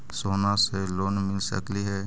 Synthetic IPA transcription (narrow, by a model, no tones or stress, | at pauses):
soːnaseloːnmɪlsə̰kliɦɛ